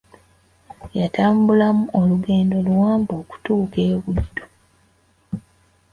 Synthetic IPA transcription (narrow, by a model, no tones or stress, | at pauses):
jataːmbulamuoluɡe̞ːndo̞luwaːmboːku̥tuːke̞ːβudːo